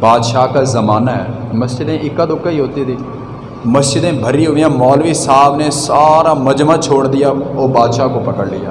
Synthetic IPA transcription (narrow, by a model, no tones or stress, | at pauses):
baːd̪ʃaːkazəmaːnaɦɛ̰ːmɐsd͡ʒɪd̪ẽʔɪkːad̪ʊkːaiɦoːt̪it̪ʰiː | məsd͡ʒɪd̪ẽːbʱəɾiɦoːijãːmɔːlʋisaːbnesaːɾamɐd͡ʒmãt͡ʃʰoːɽd̪ɪjaːoːbaːd̪ʃaːkopɐkəɽlɪja̰ː